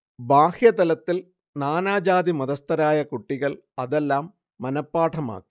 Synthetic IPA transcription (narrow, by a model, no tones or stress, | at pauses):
baːhjɐt̪ɐlɐt̪ːil | naːnaːd͡ʑaːd̪imɐðɐst̪ɐɾaːjɐkuʈːiɣɐɭ | ɐðelːaːmː | ɐnɐpːaːʈʰɐma̰ːkːi̥